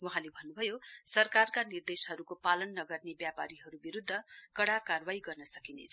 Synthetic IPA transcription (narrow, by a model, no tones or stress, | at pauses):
wuɦãlebʱʌnːubʱʌjosʌrkarkanird̪esɦʌɾukopalʌnːʌɡʌrnebjapa̰ɾiɦʌɾubiɾud̪ʱːʌkʌɽakarwaiɡʌrnʌsʌkinḛt͡sʰʌ